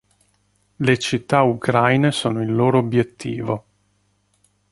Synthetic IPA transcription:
let͡ʃit̪ːaukɾajnesoːnoilːoːɾoːbjet̪ːḭːvo

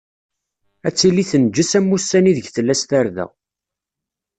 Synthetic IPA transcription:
æt͡sːilːiθənd͡ʒːəsæmːusːæniðəʝθəlːæst̪æɾðæ̰

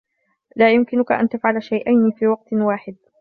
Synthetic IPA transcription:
laːjʊmkɪnʊkaʔa̰nt̪afʕalaʃajʔajnifiːwɑq̚t̪waːħɪd̪̚

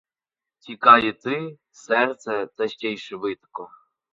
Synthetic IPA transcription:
tʲikɑjɪt̪ɪ | sɛrt̪sɛt̪ɛʃt͡ʃʲɛjʃɪʋɪt̪ɐ̥kɔ

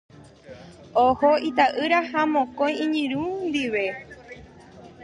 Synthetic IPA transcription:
ohoit̪aʔɨɾahamõkõj̃ĩɲɨ̃ɾũnd̪iʋe̞

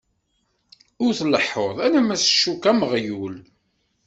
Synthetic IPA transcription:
ʊɾθləħːoðˤænæmæsʃːukːæməʁjul

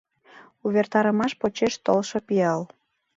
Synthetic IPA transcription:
uβert̪ɑɾəmɑʃpot͡ɕeʃt̪olʃopiɑl

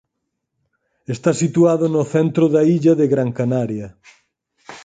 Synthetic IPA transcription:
est̪asit̪uaðʊnʊθɛnt̪ɾʊðɐiʎɐðeɣɾaŋkanaɾjɐ

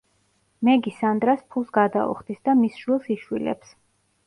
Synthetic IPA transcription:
mɛɡisand̪ɾaspʰulˠsɡad̪aɔ̰χd̪isd̪amisʃwilˠsiʃwilɛ̰ps

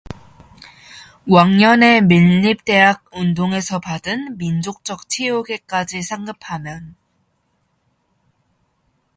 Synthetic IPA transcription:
waŋɲʌne̞minːip̚t͈e̞ɦaɡ̚undoŋe̞sʰʌpadɯnmind͡ʑok̚t͡ɕ͈ʌk̚t͡ɕʰioɡe̞k͈ad͡ʑisʰaŋɡɯpʰamjʌn

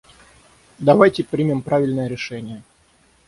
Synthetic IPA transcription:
d̪ɐvajtʲɪpɾʲimʲɪmpɾavʲɪlʲnəjəɾʲɪʂɛnʲɪjə

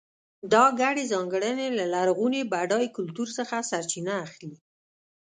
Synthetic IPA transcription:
d̪ɑɡaɽezɑŋɡəɽənelalaɾɣunebaɖɑjkʊlt̪uɾsəxasaɾt͡ʃinaːxli

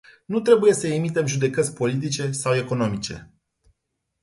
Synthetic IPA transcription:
nut̪ɾe̞buje̞səemit̪e̞mʒud̪e̞kət̪sʲpo̞lit̪̬it͡ʃe̞sawe̞ko̞no̞mit͡ʃe̞̰

